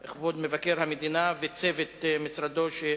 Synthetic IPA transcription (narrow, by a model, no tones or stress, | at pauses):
eχvod̪mevakeɾhamed̪inavet͡sevet̪misɾad̪o̞ʃe